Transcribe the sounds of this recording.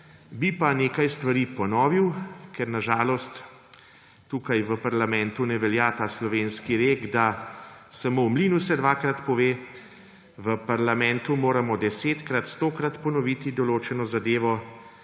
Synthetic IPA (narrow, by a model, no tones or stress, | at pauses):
bipaneːkajst̪ʋaɾiːpɔnɔːʋiwkɛɾnaʒaːlɔst̪ː | uːkajʋəpaɾlamɛ̃nt̪unɛʋɛljaːt̪aːslɔʋenskiɾeːɡd̪asamowmliːnusɛd̪ʋaːkɾat̪pɔʋeː | ʋəpaɾlamɛnt̪umoːɾamɔd̪ɛseːt̪kɾat̪st̪oːkɾat̪pɔnɔʋit̪id̪ɔloːt͡ʃɛnɔzad̪eːʋɔ